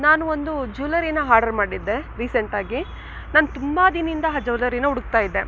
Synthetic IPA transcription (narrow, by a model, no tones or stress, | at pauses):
naːnuond̪ud͡ʒuːlɐɾinɐɦaːɾɖɐɾmaːɽid̪ːe̞ɾiːseɳʈaːɡi | naːnut̪umbɐd̪inind̪ɐɦɐd͡ʒɐʋlɐɾinɐuɽuɡ̚t̪aːjid̪ːe̞